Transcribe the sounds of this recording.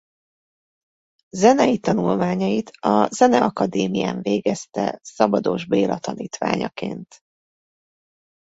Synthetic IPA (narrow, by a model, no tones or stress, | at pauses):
zɛnɛjit̪ɒnulmaːɲɒjit̪ɒzɛnɛɒkɒd̪eːmijaːɱveːɡɛst̪ɛsɒbɒd̪oʒbeːlɒt̪ɒniːt̪ʋa̰ːɲɒ̰keːnt̪